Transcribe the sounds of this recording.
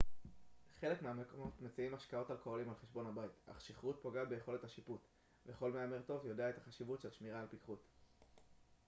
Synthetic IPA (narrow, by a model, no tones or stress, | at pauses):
χe̞le̞kmeameko̞mo̞tmet͡siimaʃkao̞talkoolimalχeʃbo̞nhabaita̰χʃiχʁut̚po̞ɡabejeχo̞lethaʃiput | veχo̞lmeameʁto̞vjodeaet̪aχaʃivutʃelʃmiʁaːlpikχut